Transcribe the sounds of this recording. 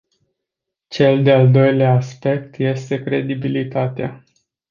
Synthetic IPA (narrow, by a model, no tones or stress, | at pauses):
t͡ʃe̞ld̪eald̪o̞jleaːspe̞k̚t̪je̞st̪e̞kɾe̞d̪ibilit̪at̪ea̰